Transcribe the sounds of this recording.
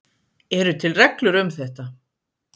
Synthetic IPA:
ɛɾʏt̪ʰɪlrɛklʏɾʏmθɛht̪a

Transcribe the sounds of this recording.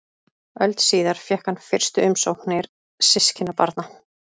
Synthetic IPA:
œlt̪siːðaɾ̥fjɛhkanfɪr̥st̪ʏʏmsowknɛɾ | sɪscɪnːapa̰ɾt̪na

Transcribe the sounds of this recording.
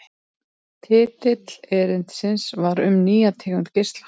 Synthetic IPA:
t̪ʰɪːt̪ɪt̪l̥ɛːɾɪn̥t̪sɪnsvaɾʏmniːat̪ʰɛːkʏnt̪cɪst̪lḁ

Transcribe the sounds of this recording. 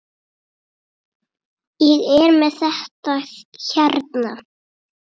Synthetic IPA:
ɛɣɛɾmɛðθɛht̪açaɾt̪na

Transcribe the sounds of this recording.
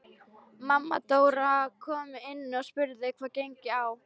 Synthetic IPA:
mamːa̰t̪oːwɾakʰɔːmʏɪnːɔspʏɾðɪkʰv̥aːcejɲcɪaw

